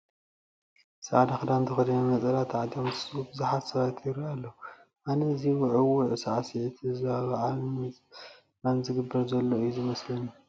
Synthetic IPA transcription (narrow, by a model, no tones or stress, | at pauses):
saʕad̪axɨd̪ant̪ʰɨxɨd̪ɐnɐmɐt͡sʼɐlat̪ʰʕad̪omtʰɨsʼubɨzaħat̪sɐβat̪ʰjiɾialːɐu | ʔanɐziwʊʕɨwuʕsaʕasiʕt̪ʰɨzaβaʕalmɐt͡sʼ | nanzɨɡɨbːɐɾzɐlːoɨjːuzɨmɐslɐnːu